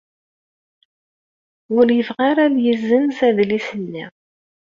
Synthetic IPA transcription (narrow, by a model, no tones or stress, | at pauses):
ʊɾjəvʁaɾaðjəzːənsæðlisənːi